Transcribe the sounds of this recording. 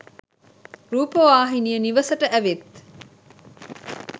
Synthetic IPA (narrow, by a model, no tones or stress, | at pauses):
ɾuːpoʋaːɦinijəniʋɐsəʈəʔæʋet̪